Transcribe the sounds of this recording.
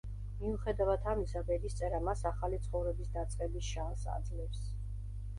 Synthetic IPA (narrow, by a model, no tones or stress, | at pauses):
miuχɛd̪avat̪ʰamisabɛɾist̪sʼɛɾamasaχalit̪sʰχɔvɾɛbisd̪at̪sʼqʼɛbisʃaːsa̰d̪zlɛps